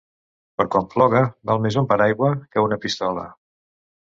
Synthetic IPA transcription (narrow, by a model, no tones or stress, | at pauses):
pəɾkwamflɔɣ̞əbalˠmezumpaɾajɣwəkəunəpist̪ɔlə̰